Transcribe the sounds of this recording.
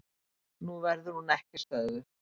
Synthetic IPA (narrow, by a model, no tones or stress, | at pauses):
nuvɛɾðʏɾ̥hunɛhcɪst̪œːðʏ